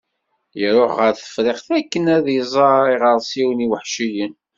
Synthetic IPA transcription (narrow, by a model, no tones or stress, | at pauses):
jəɾoχʁəɾθə̥fɾeχθækːənæðjzˤɑˤiʁəɾˤsiwniwəħʃijən